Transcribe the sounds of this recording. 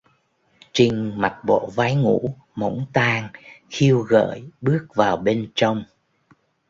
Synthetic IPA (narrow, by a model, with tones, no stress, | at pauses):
t͡ɕi˧ŋ̟ma˨˩t̚ɓo̰˧˨vaː˨˦jŋṵ˧˥ | mə̰˧˦wŋ͡mt̪aː˧ŋxi˧əwɣə̰ː˧˨jɓɨ˦˥ək̚vaː˨˩wɓe˧nt͡ɕɔ˧wŋ͡m